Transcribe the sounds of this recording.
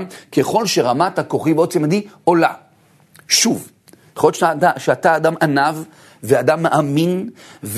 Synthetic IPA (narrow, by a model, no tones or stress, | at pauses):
mkeχo̞lʃe̞ʁamatakoχibeot͡simad̪io̞la̰ | ʃuv | jaχojotaaʃeat̪aːd̪amʔanav | vead̪amːaʔaminv